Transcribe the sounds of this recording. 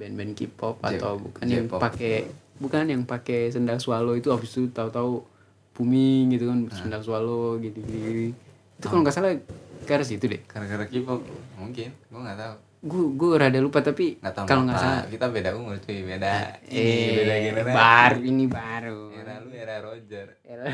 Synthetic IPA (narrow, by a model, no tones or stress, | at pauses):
bɛnbɛnkḭpɔpa̰t̪awbṵkanjaŋpakebukanjaŋpakesəndalsualoit̪uafist̪ut̪aut̪au | pumiŋɡit̪ukansəndalsualoɡit̪iɡit̪uɡi | it̪ukaloŋɡaʔsalakaɾas̬it̪udɛ̰hkaɾkaɾakipɔkmuŋkɪnɡaŋɡat̪au | ɡuɡuaɾadalupat̪apiŋat̪akaloŋɡasalakit̪abedaɡuŋuɾt͡ʃ̪uibedaɛedaɡinbaɾuinibaɾuɾalueɾaɾod͡ʒər | ela